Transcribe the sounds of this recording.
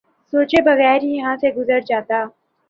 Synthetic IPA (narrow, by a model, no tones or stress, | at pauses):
soːt͡ʃebɐɣɛːɾjijɐɦãseɡʊzəɾd͡ʒaːt̪aː